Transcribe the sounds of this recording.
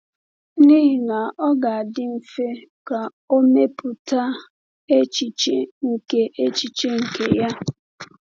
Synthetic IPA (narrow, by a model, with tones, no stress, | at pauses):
ni˦ɦi˨na˨ɔ˦ɡa˨a˨dɪ˦m̩˨fe˦ka˨ | o˦me˦pʊ˨ta˦ | e˦t͡ʃi˨t͡ʃe˦ŋ̩˨ke˦ʔe˦t͡ʃi˨t͡ʃe˦ŋ̩˨ke˨ja˦